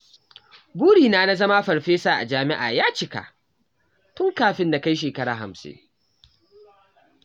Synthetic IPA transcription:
buː˦ɽiː˨naː˦na˦zɐ˦ma˦ɸɐ˨ɽɸeː˦sa˨ʔa̰˨d͡ʒaː˦mɪ˦ʔa̰ː˨jaː˦t͡ʃɪ˦ka̰˨ʔ | tʊ˦ŋkaː˨ɸɪ˦nda˨ka˦jʃ̬eː˨kɐ˦ɽa̰ː˨ɦa̰˨msɪ̰˦n

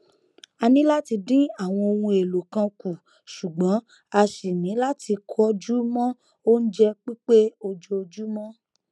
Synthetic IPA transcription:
a˧nĩ˨˦la˦ti˧dĩ˦a˦˨w̃ɔ̃˧o˧wũ˧e˨lo˨kã˧ku˨ | ʃu˨ɡ͡bɔ̃˨˦ | a˧ʃi˨nĩ˨˦la˦ti˧kʰɔ˦d͡ʒu˦mɔ̃˦ | o˦n̩˦d͡ʒɛ˦k͡pi˦k͡pe˦o˧d͡ʒo˧d͡ʒu˦mɔ̃˦

